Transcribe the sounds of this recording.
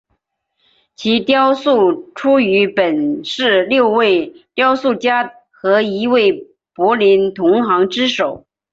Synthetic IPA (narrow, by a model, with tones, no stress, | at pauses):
t͡ɕʰi˧˥t̪jɑ˥ʊsu˥˩ʈ͡ʂʰu˥y˧˥pə˨˩nʂɻ̩˥˧ljo˥˧ʊwe˥˩ɪt̪jɑ˥ʊsu˥˩t͡ɕja˥ | xɤ˧˥i˧˥we˥˩ɪ | pwɔ˧˥li˧˥nt̪ʰʊ˧˥ŋxɑ˧˥ŋʈ͡ʂɻ̩˥ʂo˨˩˦ʊ